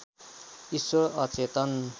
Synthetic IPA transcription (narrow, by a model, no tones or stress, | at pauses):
iswʌɾʌt͡set̪ʌn